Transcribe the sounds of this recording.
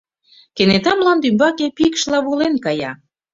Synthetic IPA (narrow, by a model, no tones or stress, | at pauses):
kenet̪ɑmlɑnd̪ymbɑkepikʃlɑβolenkɑjɑ